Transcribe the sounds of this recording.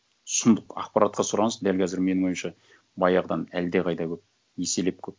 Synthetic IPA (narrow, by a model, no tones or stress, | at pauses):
sʊnd̪əqɑ̰qpɑɾɑt̪̚qʰɑsʊɾɑɴəzd̪ælkʲʰæzɪɾme̞nɪŋo̞jmʃɑ | bɑjɑʁd̪ɑnæld̪eqʰɑjd̪ɑkʲʰɵp̚ | je̞se̞le̞p̚kʲʰɵp̚